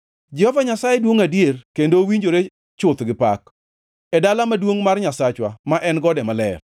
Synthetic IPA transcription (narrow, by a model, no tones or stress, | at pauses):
d͡ʒɛhɔvaɲasajedwoŋadjerkendowiɲd͡ʒoɾe | t͡ʃʊt̪ɡɪpa̰k | ɛdalamadwoŋmarɲasat͡ʃwamaʔɛnɡɔdɛmalɛ̰r